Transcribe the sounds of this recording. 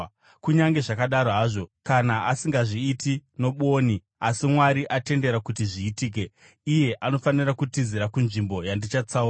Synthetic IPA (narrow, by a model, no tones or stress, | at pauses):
kuɲaŋɡe̞ʐakaɗaɾoɦaʐo̞kanaʔasiŋɡaʐiːtino̞ɓo̞ːni | asimwaɾiʔate̞nde̞ɾakutiʐiːtiːk̬e̞ | ije̞ʔano̞fanirakutiziɾakunʐimbo̞jandit͡ʃat͡saura